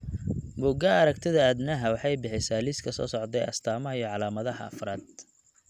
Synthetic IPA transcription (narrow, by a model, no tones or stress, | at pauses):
mʊɡɐɐɾɐkt̪ʰɪðɐːd̪nɐɦɐwħɑjbɪħɪsaːlɪskʰɐsɔ̰ːsɔʕd̪ɛjɐ̰st̪ʰaːmɐɦɐijɔʕɑlaːmɐðɐɦɐ̰ɐ̰fraːd̪̚